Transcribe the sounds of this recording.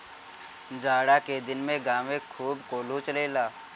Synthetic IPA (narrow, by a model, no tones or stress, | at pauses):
d͡ʒaːɽaked̪ɪnmẽɡaːmẽkʰuːbkoːlut͡ʃɐleːlaː